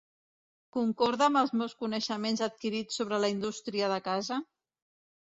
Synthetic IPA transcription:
kuŋkɔɾðəmbəlˠzmewskunəʃəmenzət̪̚kiɾit͡sːoβɾələind̪ust̪ɾiəðəkazə

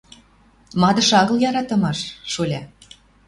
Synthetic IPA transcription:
mɑd̪ə̆ʃɑɣɤ̆ljɑɾɑt̪ə̆mɑʃːolʲɑ

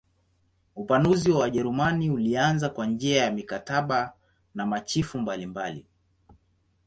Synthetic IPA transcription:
upanuziwawaʄɛɾumaniulianzakwand͡ʒiajamikataɓa | namat͡ʃifumbalimbalḭ

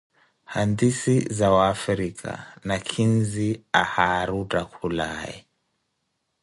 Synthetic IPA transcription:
handisizawaːfɾikʰa̰nakʰinziahaɾutakʰulaɛ̰

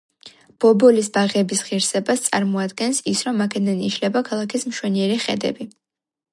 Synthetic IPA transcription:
b̥ɔbɔlisbaʁɛbisʁiɾsɛbast̪sʼa̰ɾmɔad̪ɡɛnsisɾɔmakʰɛd̪aniʃlɛbakʰalˠakʰismʃwɛniɛɾiχɛ̰d̪ɛ̰bi

